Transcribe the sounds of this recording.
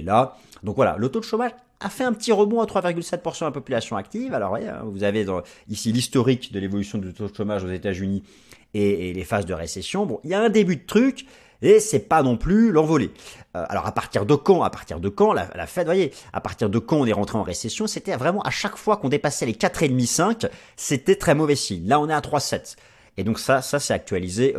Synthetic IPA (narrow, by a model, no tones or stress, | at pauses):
la | d̪ɔ̃kvwala̰lot̪od̪əʃomaʒ | a̰fɛɛ̃pət̪iʁəbɔ̃at̪χwaviʁɡʲylsɛt̪̚puʁsɑ̃d̪lapɔpylasjɔ̃ak̚t̪ivalɔ̰ʁvwajeɛ̰̃vuzaved̪ɑ̃isilist̪ɔʁikd̪əlevɔlysjɔ̃d̪əot̪od̪əʃomaʒozet̪azyni | eelefazd̪əʁḛsɛsjɔ̃bɔ̰̃iljaɛ̃d̪ebyd̪ət̪χyk | esɛpanɔ̃plylɑ̃vɔleø̰a̰lɔ̰ʁa̰paʁt̪iʁd̪əkɑ̃a̰paʁt̪ḭʁd̪əkɑ̃la̰la̰fɛt̪vwajea̰paʁt̪iʁd̪əkɑ̃ɔ̃nɛʁɑ̃t̪χeɑ̃ʁesɛsjɔ̃set̪ɛvʁɛmɑ̃ʔa̰ʃakfwakɔ̃d̪epasɛlekat̪χed̪misɛ̃k | set̪ɛt̪χɛmɔvɛsiɲlaɔ̃nɛat̪χwasɛt̪ | ed̪ɔ̃ksasasɛt̪ak̚t̪ɥalize